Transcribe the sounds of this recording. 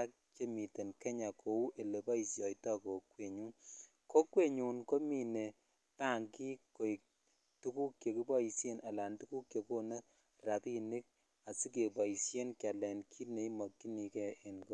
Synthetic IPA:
a˦k̚t͡ʃe˦mi˨te˨nkɛ˦ɲa˨kʰo˨wu˦ʔe˨le˨bɔ˦i˨sjɔ˨jtɔ˦ko˨kwe˨ɲu˦n | ko˦kwe˦ɲu˨nko˦mi˨ne˨ | pa˦˨ŋki˦ko˨i˨k̚ | tu˦ku˦kje˨ki˦bɔ˦i˨sje˦nʔa˨la˨ntu˦ku˦kjo˨ko˦ne˦ | ra˨pi˦ni˦k̚ | a˨si˦k̬e˨bɔ˨i˨sje˦nkja˨lɛ˨nkʰi˦ne˨i˦mɔ˨kːi˦ni˨kɛ˦e˨nko˨

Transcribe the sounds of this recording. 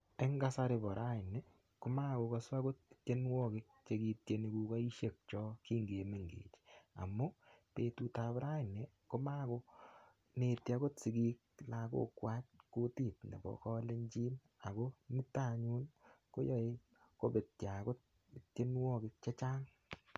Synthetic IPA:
e˦ŋɡa˦sa˦ɾe˨bɔ˨ɾa˦ɪ˨ne˨ | ko˦ma˦˨ko˨˧kɔ˧swa˦ɡo˦t̚t͡ʃe˦nwɔ˦kɪ˦k̚t͡ʃe˦ɡi˧t̚je˧ni˨ku˨ka˦i˦ʃe˨k̚t͡ʃɔ˦ki˦ŋɡe˨me˨ŋɡḛː˨t͡ʃa̰˨mo˦pe˨tu˦ta˨bɾa˦ɪ˨ne˨ | ko˦ma˦ko˦ | ne˨tja˦ɡo˦tsi˨ɡi˦k̚la˨ɡo̰˦kwa˦t̚ko˦ti˦˨tnḛ˨bɔ̰˨kɔ˦le˦ɲd͡ʒi˦n | a˨ɡo˦ni˦ta˦ɲu˦nko˦jɔ˦˨e˦ | ko˦be˨tja˨ɡo˦t̚ | tt͡ʃe˦nwɔ˦kɪ˦k̚t͡ʃe˦t͡ʃa˦ŋ

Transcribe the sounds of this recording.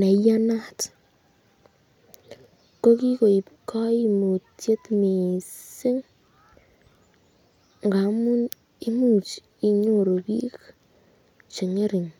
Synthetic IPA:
nɛ˨˦ja˦na˦t | ko˦ki˦ko˨i˨pkʰɔ˦jmu˨tje˦t̪mi˨si˦ŋ | ŋɡa˨˦mu˦n | i˦mu˦˨t͡ʃ | i˨ɲo˦˨ɾo˨bi˦k | t͡ʃi˨ŋe˦ɾi˨ŋ

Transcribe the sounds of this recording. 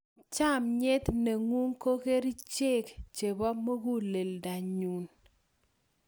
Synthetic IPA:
t͡ʃa˦˨mɲe˦t̪ne˨ŋu˦ŋko˦ke˦ɾi˦t͡ʃe˦kt͡ʃe˨bɔ˦mo˦ɡu˦le˨lda˨ɲu˨n

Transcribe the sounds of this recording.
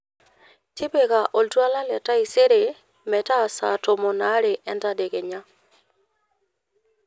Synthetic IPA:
tʰɪ˦be˨ɣa˨ʔo˨ltwa˦la˦lɛ˨ta˦i˨se˦ɾe˨ | mɛ˨ta˦˨sa˨to˨mo˨na˦ɾe˨ʔɛ˦nda˦de˨ɣe˨ɲa˦

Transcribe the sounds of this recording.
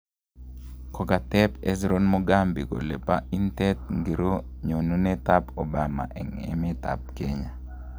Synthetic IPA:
kɔ˨ka˨tɛ˦pe˦zɾo˦nmo˦ɡa˦mbi˨ko̰˨le˨pa˦i˦ntɛ˦t̪̚ŋɡi˨ɾo˦ | ɲo˨nu˦ne˦ta˦po˨ba˨ma̰˨ʔɛ˨ŋḛ˨me˦t̪a̰˨p̚keɲa˨

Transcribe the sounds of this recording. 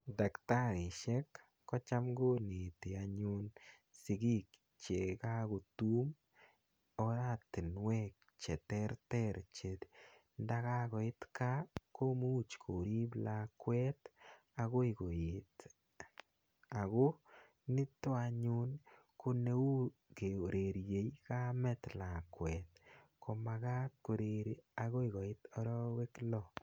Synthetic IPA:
da˨kta˦ɾɪ˨ʃɛ˦kː | ɔ˦t͡ʃa˦mɡo˦ni˨ti˨a˨ɲʊn | sɪ˨ɡi˦k | t͡ʃe˨ka˦ko˨tu˦m | ɔɾa˦t̪ɪ˨nwɛk̚ | t͡ʃɛ˨t̪ɛɾt̪ɛɾt͡ʃet̪ | nda˦ka˦kɔ˨ɪ˦t̪ka˦ko˦mu˦t͡ʃkʰo˨ɾi˦bla˧kwɛ˦t | a˨ɣo˦i˨ko˨ɪt | a˨ɣo˦ | nɪ˦to˦a˨ɲu˦n | ko˦ne˦u˦ | ke˨o˨ɾe˨ɾje˨jka˦mɛ˦t̪la˨kwɛt̚kʰo˨maɣa˦t̚ko˨ɾeɾaɣo˦i˨ɣɔ˨ɪ˦tɔ˦ɾɔ˦we˦klɔ

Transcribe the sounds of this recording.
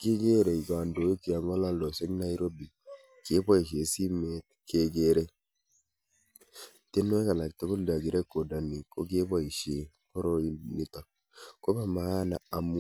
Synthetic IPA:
ke˦ɡe˦ɾe˨i˨ɡa˨ndo˨i˦ki˨a˨ŋa˦la˦lɔ˨sɛ˦ɡna˦i˦ɾo˦bi˨ | ke˦bɔ˦i˨ʃe˨si˦me˦t̪̚ke˨ɡe˦ɾe˦ | te˦nːo˦ɛ˦ka˨la˨k̚t̪e˨ko˦lda˨ɡi˨ɾe˦kːo˨da˨ni˨ko˦ɡe˦ba˦i˨ʃe˨ | ko˦ɾo˦ini˨ta˨ | ko˦ba˨ma˨a˦na˨a˨mu˦

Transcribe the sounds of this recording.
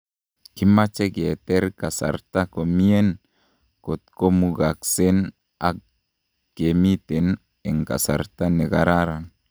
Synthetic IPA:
ki˦ma˦t͡ʃɛ˦ɡɛ˨t̪ɛ˦ɾka˨sa̰˨ɾt̪a˦ko˨mi˦e˦n | ko˨t̪̚ko˦muɡa˨kse˦n | a˨k̚ | ɡ̥e˨mi˦t̪ɛ˨n | ɛ˨ŋka̰˨sa̰˨ɾt̪a˦nɛ˨ɡa̰ɾaɾa˨n

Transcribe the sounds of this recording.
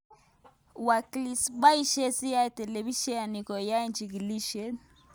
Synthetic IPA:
wa˨kli˨sɓa˦i˦ʃɛ˦si˦a˦tɛ˨lɛ˨βi˦ʃɛ˦a˨ni˨kɔ˨ja˦ind͡ʒi˨ɡi˨li˦ʃɛ˦n

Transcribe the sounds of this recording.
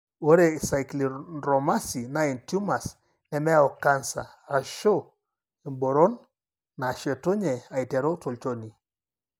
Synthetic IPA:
wo˦ɾe˨sa˨jkli˨ɾɔ˨ma˦si˨na˦i˨ntu˦ma˨s | nɛ˨mɛ˦a˦˨ɔ˨ka˦nsa̰˨ | a˨ʃo˦ | e˨mbo˨ɾɔ˦nː | a˨ʃɛ˨tu˦ɲɛ˨a˨i˨tɛ˨ɾo˦to˨lt͡ʃo˦ni˨

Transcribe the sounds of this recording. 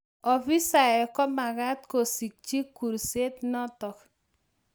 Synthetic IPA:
ɔ˨fi˦sa˨ɛ˨kɔ˦ma˨ɡa˦t̪̚ko˨si˨k̚t͡ʃi˦kːu˨ɾse˦t̪nɔ˦tɔ˨k

